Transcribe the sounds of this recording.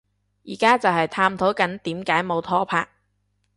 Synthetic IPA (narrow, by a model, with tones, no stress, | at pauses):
jiː˨˩kaː˥t͡sɐ˨whɐ˨jt̪ʰaː˧mt̪ʰo˨˥wkɐ˨˥nt̪iː˨˥mkaː˨˥jmo˨˧wt̪ʰɔː˥pʰa̰ː˧k̚